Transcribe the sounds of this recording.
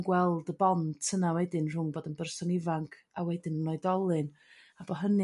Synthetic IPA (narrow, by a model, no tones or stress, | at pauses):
ɡwɛlˠdəbɔntʰənawɛdɪnr̥ʊŋboːdənbərsɔnɪvaŋkʰ | awɛdɪnnɔɨdɔlˠɨn | abɔɦənɨ